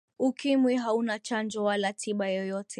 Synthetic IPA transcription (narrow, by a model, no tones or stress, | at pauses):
ukimwiɦaunat͡ʃand͡ʒɔwalatʰiɓajɔjɔtʰɛ